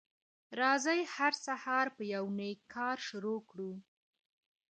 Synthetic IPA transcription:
ɾɑzajhaɾsahɑɾpəjawnekkʰːɑɾʃʊɾokɽu

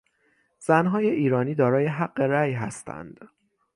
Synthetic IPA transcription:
z̥ænɦɒːje̞ʔiːɾɒːniːd̪ɒːɾɒːje̞ɦæɢːe̞ɾæːjɦæst̪ʰæ̰nd̪̥

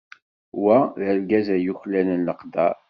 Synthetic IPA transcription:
wæðəlɡæzæjuçlænənləqd̪æɾ

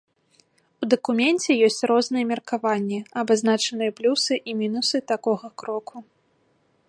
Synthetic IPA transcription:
ud̪ɐkumʲɛnʲt͡sʲɛjɔsʲt͡sʲrɔznɨjɛmʲɛrkavanʲːɛɐbaznat͡ʂɐnɨjɛplʲusɨʔimʲinusɨt̪akɔɣɐkɾɔkʰu

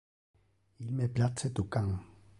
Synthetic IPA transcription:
ilmɛplat͡sɛt̪okaŋ

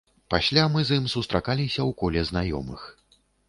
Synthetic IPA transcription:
pasʲlʲamɨzɨmsust̪ɾakalʲisʲɐwkɔlʲɛznajɔ̰mɨ̰x

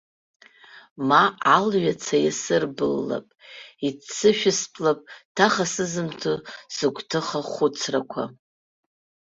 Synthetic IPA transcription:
maalɥat͡sʰajasɨrbɨlːa̰pʼit͡sʰːɨʃᶣɪspʰʼlapʼtʰaχasɨzɨmtʰusɨɡʷʰʼtʰɨχaχʷʊt͡sʰrakʷʰa̰

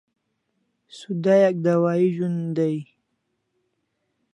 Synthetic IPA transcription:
sud̪ajak̚d̪awɑiʒund̪aj

